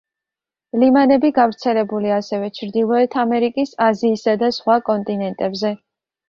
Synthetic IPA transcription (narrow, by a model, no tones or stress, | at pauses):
limanɛbiɡavɾt̪sʰɛlɛbuliasɛvɛt͡ʃʰɾd̪ilˠɔɛt̪ʰamɛɾikʼisaziːsad̪asχwakʼɔnt̪ʼinɛnt̪ʼɛbzɛ